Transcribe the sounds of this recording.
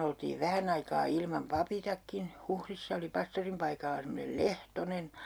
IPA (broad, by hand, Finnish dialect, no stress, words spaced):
oltiːʋ ʋæhæn ɑikɑː ilmɑm pɑpitɑkːin huhrisːɑ oli pɑstorim pɑikɑlːɑ semːonel lehtonen